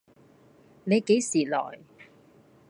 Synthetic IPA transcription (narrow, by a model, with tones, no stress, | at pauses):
ne˨˧jke˨˥jsiː˨˩lɔ̰ː˨˩j